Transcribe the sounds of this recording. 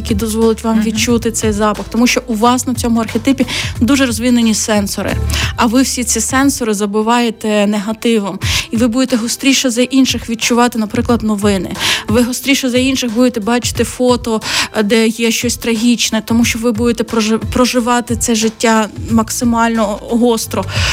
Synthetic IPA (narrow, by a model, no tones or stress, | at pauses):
ɐkʲid̪ɔzʋɔlˠʊtʲʋɑmʋʲidt͡ʃut̪ɪt̪sɛjzɑpɐxt̪ɔmuʃt͡ʃɔʔuʋɑsnɔwt͡sʲɔmʊɐrxʲet̪ɪpʲid̪uʒɛɾɔzʲʋʲinːenʲisɛnsɔɾɪ̰ɐʋɪwsʲit͡sʲisɛnsɔɾɪzɐbɪʋɑjet̪ɛneɦɐt̪ɪʋɔmiʋɪbud̪et̪ɛɦɔst̪ɾʲiʃɛzɐʔinʃɪxʋʲid̚t͡ʃʊʋɑt̪ɪnɐpɾɪklˠɐd̪nɔʋɪnɪ̰ʋɪɦɔst̪ɾʲiʃɛzɐinʃɪxbud̪et̪ɛbɑt͡ʃɪ̥t̪ɪfɔt̪ɔd̪ɛjɛʃt͡ʃɔsʲt̪ɾɐɦʲit͡ʃnɛt̪ɔmuʃt͡ʃɔʋɪbud̪et̪ɛpɾɔʒɪʋɑt̪ɪt̪sɛʒɪtʲːamɐksɪmɑlʲnɔɦɔst̪ɾɔ